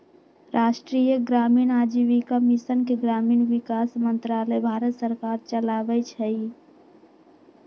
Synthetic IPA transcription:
ɾʔaːʃʈɾiːjəɡɾaːmiːnaːd͡ʒiʋikəmisənkeɡɾaːmiːnʋikaːsmə̃nt̪ɾaːləjbʱaːɾət̪səɾkaːɾt͡ʃəlaːʋɛt͡ʃʰɛi

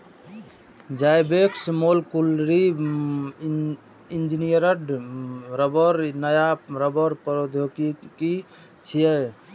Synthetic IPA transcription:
d͡ʒajbeksmolkulɾi | ind͡ʒinijəɾəɖɾəbəɾnəjaɾəbəɾpɾod̪ʱjokiki | t͡ʃʰijə

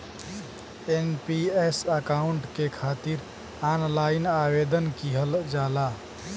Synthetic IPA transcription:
enpiesəkauɳʈkekʰat̪iɾ | anlaɪnabed̪ənkiɦəld͡ʒala

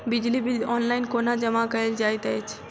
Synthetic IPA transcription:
bɪd͡ʒlibiɔːnlaɪnkoːnad͡ʒəmakəeld͡ʒaːjt̪ət͡ʃʰ

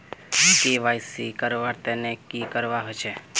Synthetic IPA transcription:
kiʋajsikəɾʋaɾt̪enekikəɾʋaɦɔt͡ʃʰe

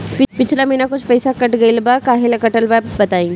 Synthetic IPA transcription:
pɪpɪt͡ʃʰlaminakʊt͡ʃʰpɛːsakɐʈɡɐilbakaːɦelkɐʈəlbabɐt̪aːĩː

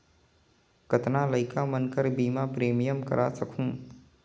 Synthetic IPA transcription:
ɡ̥ət̪naləɪkamənkəɾbiːmapɾeːmijəmkə̰ɾʔasəkʰũː

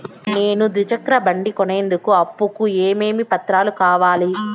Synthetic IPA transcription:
ne̞ːnud̪ɾid͡ʒɐkɾɐbɐɳɖikɔne̞ːnd̪ukuɐpːukueːme̞ːmipɐt̪ɾaːlukaːʋaːli

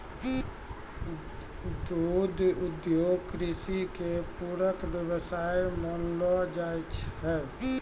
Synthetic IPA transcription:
d̪ud̪ʱud̪joɡkɾisikepuɾəkbjəβəsajmənlɔd͡ʒajt͡ʃʰɦɛ

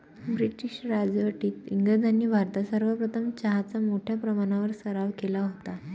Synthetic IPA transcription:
bɾiʈiɕɾad͡zʋəʈiːt̪iŋɡəd͡zʱaniːbʱaɾt̪asəɾʋəpɾət̪ʰəmt͡ɕaɦat͡samoʈʰjapɾəmaɽ̃aʋəɾsəɾaʋkelaɦot̪a

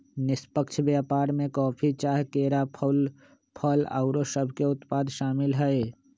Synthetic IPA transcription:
nɪspəkt͡ʃʰbaːpaːɾmẽkɔːpʰit͡ʃaːɦkeːɾapʰəl | pʰələ̰ʊɾoʃəbʱkeʊt̪paːd̪ʃaːmɪlɦɛe

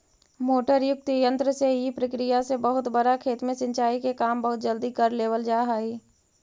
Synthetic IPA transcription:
moːʈəɾjʊk̚t̪jə̃nt̪ɾəseipɾəkɾɪjasebəɦʊt̪bəɾakʰeːt̪mẽsɪ̃ɲt͡ʃaːikekaːmbəɦʊt̪̚d͡ʒəld̪ikəɾleːʋəld͡ʒaːɦaːiː

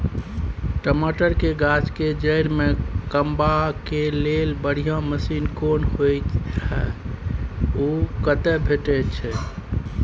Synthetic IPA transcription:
ʈəmoʈəɾkeɡat͡ʃked͡ʒəjɾmekəmbakelelbəɽ̤ijãməsinkonɦojt̪hɛ | okət̪ɛbʱeʈɛt͡ʃʰɛ

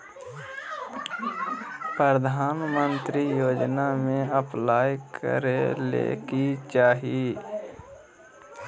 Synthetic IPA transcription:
pɾəd̪ʱaːnmə̃nt̪ɾijoːd͡ʒnamẽəplaːjkʰə̰ɾelḛːkit͡ʃaːɦie

